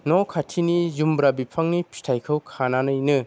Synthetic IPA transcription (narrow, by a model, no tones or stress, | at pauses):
nɔkʰatʰinizumbɾabipʰaŋnipʰi̥tʰajkʰɯwkʰananɯjnɯ